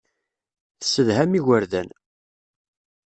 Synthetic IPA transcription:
θsːəðɦæmiʝəɾðæn

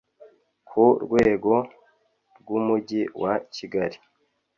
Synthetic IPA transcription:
kʰuɾɡwe̞ːɡo̞ | ɾɡumuɟiwaciɡaɾi

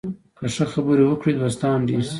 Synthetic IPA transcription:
kəʂəxabəɾewəkɽed̪wast̪ɑːnɖis

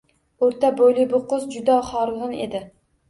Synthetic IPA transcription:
oɾt̪abojlɪbʊqʊzd͡ʒʊd̪aχɒɾʁɨned̪ɪ

